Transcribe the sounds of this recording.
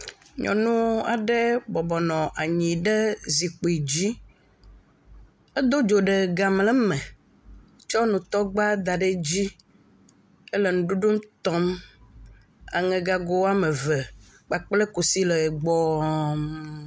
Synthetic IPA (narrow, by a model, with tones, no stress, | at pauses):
ɲɔ̰̃˨nũ˦a˨ɖɛ˦bɔ˨bɔ˨nɔ̃˨ʔa˨ɲĩ˨ɖɛ˦zi˨k͡po˨i˨d͡ʑi˦ | e˦d̪o˦d͡ʒo˨ɖɛ˨ɡa˨mlɛ˦mɛ̃˨ | t͡ʃɔ˦nũ˨t̪ɔ˦ɡ͡ba˦d̪a˨ɖe˦d͡ʑi˦ | ɛ˦le˨nũ˨ɖu˦ɖu˦mt̪ɔ˦m | a̰˨ŋɛ̃˨ɡa˦ɡo˦a˦mẽ˨vɛ˨ | k͡pa˨k͡plɛ˦ko˨si˦lɛ˨ɡ͡bɔ˦